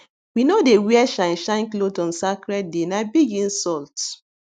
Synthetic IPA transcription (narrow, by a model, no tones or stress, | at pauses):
winodewiɛʃãnʃãɪ̃nklodɔ̃nsakɹɛt̚denabiɡĩnsɔlt